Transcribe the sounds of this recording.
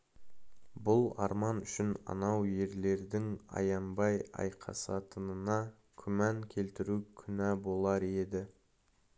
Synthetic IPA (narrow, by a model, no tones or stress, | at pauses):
bʊlˠɑ̰ɾmɑnʏʃɪnɑ̰nɑwje̞ɾle̞ɾd̪ɪŋɑ̰jɑnbɑjɑ̰jqʰɑ̰sɑt̪ənənɑ | kʲʰʏmæŋkʲʰe̞lt̪ɪɾukʲʰʏnɑbo̞lˠɑɾe̞d̪ɪ